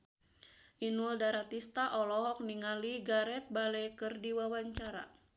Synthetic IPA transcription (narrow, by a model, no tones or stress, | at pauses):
ʔinuldaɾat̪ist̪aʔɔlɔɦɔk̚niŋaliɡaɾɛt̪̚balɛjkɨrdiwawaɲt͡ʃaɾa̰